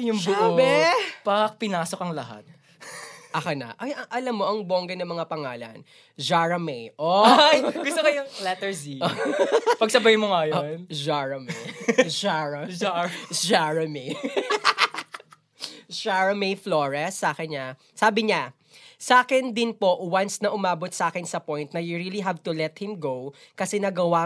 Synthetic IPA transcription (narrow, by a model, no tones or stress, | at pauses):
jʊŋbʊobɛpɐk̚pɪnaːsokɐŋlɐɦa̰t̪̚ | ʔɐkɐnɐ̰ʔɐjʔɐʔɐlɐmːoʔɐŋboːŋɡɛnɐmɐŋapɐŋaːlɐ̰n | d͡ʒaɹɐmɛʔojɡʊst̪okɐjolɛt̪ɛɹziopɐɡ̚sɐbɐjmoŋajnd͡ʒaɹɐmɛʃaɹɐ | d͡ʒaɹɐmi | ʃaɹɐmefloːɹɛsːaːkɪnɲaː | aːbɪɲa | sɐʔaːkɪnd̪ɪnpo̞ʔwansnɐʔʊmaːbot̪̚sɐʔaːkɪnsɐpojnt̪̚nɐjʊɹiːliɦavt̪ʊlɛt̪̚hɪmɡowkɐsɛnɐɡɐwa